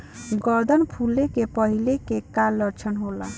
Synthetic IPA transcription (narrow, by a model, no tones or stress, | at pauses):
ɡəɾd̪ʱənpʰulekepəɦilekekalːəɾt͡ʃʰənɦola